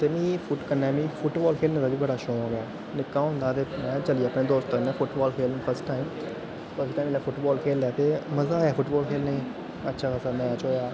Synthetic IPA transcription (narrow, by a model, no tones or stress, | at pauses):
t̪eːmĩːfʰʊʈkənɛ̃ːmĩːpʰʊʈbɔːlkʰeːlnẽːd̪aːbiːbəɽaːʃõːɦõːɡɛː | nɪkːaːʊ̃ːnd̪aːt̪eːmɛ̃ːt͡ʃəliəpneːd̪oːst̪ənɛ̃ːfʰʊʈbɔːlkʰeːlːpʰəɾsʈaːim | t̪oːsiːt̪aːimlaːfʰʊʈbɔːlkʰeːljaːt̪eːməzaːjaːfʰʊʈbɔːlkʰeːlnẽː | ətːʃʰaːkəsaːmɛ̃ːət͡ʃoːjaː